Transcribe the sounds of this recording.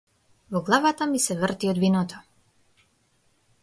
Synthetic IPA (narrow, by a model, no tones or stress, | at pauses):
vɔɡlˠavat̪amisɛvrt̪iɔd̪vinɔt̪ʰɔ